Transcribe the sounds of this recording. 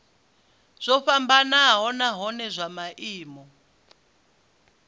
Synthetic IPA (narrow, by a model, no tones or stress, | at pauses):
z̥ʷɔɸambanaɦɔnaɦɔnɛzʷamaʔiːmɔ